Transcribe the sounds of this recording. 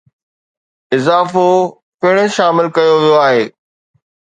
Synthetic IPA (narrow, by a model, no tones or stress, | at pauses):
ɪzaːfo | pɪɽ̃ə̃ʃaːmɪlkɐjoʋijoaːɦeː